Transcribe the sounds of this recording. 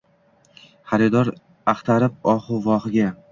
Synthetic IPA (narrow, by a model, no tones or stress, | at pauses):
χaɾɪd̪ɒɾ | aχt̪ʰaɾɪp̚ɒχʊvɒχɪɡʲa